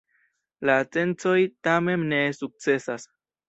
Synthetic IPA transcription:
lat͡se̞nt͡so̞jtame̞mne̞suk̚t͡se̞sas

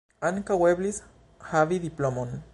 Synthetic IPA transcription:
ankaweβlis | haβiðiplomon

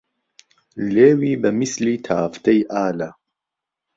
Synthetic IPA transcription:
leːwiːbɐmisliːt̪ʰaːft̪ejʔaːla

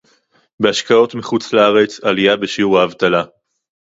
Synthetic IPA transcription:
be̞aʃkao̞tmiχut͡slaaʁe̞t͡saliabeʃiuʁaːvt̪ala

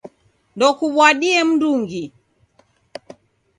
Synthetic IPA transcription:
ndɔkuɓwaɗiɛm̩nduŋɡi

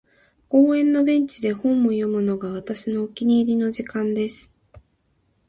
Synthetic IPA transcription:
ko̞ːẽ̞nːo̞bẽ̞ɲ̟t͡ɕid̪e̞hõ̞mːojo̞mɯ̟no̞ɡaβ̞at̪aɕino̞ːkʲiɲ̟iːɾʲino̞ʑikãnd̪e̞sɨ̥

